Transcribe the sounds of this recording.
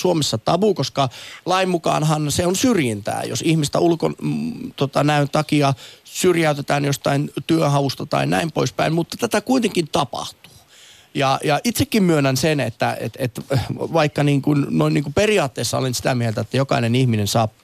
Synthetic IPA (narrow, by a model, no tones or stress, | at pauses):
suomesːɑt̪ɑʋukoskɑlɑimmukɑ̰ːnɦɑnseonsyrjint̪æ̰ːjo̰sihmist̪æ̰ulko̰nt̪ot̪ɑnæynt̪ɑkiɑsyrjæyt̪et̪æːnjost̪ɑint̪yøɦɑʋust̪ɑt̪ɑ̰inæimpoispæ̰immut̪ːɑ̥t̪æt̪ækuit̪eŋkint̪ɑpɑ̰ht̪u̥ː | jɑjɑʔit̪sekːimmyønænsenet̪ːæḛt̪ḛt̪ʋɑikːɑniːŋkunnoinniːŋkuperiɑːt̪ːeːsːɑo̰lensit̪æmielt̪æet̪ːæjokɑinenihminensɑːp